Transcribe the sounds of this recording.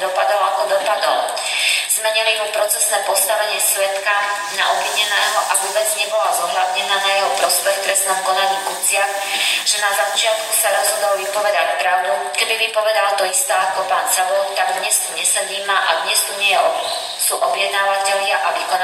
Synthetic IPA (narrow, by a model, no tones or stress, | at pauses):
d̪ɔpad̪ɔʊakɔd̪ɔpad̪ɔ̰l | z̥mɛɲiliɦupɾɔt͡sɛsnɛːpɔst̪aʋɛɲɪɛsʋɛt̪ka | na̰ʔɔbʋiɲɛnɛːɦɔʔavɔbɛd͡zɲɛbɔlazɔɦʎad̪ɲɛnanajɛɦɔpɾɔspɛxt̪ɾɛsnɔmkɔnaɲiːkut͡sɪax | ʒ̥ɛnazat͡ʃɪat̪kusaɾɔzɦɔd̪ɔlʋipɔʋɛd̪acpɾaʊd̪ukɛbiʋipɔʋɛd̪alt̪ɔist̪aːakɔpaːnsalɔt̪aɡd̪ɲɛst̪uɲɛsɛd̪iːmaʔa̰d̪ɲɛst̪uɲɛjɛ | suʔɔbjɛd̪̚naːʋacɛʎɪaʔaʋikɔn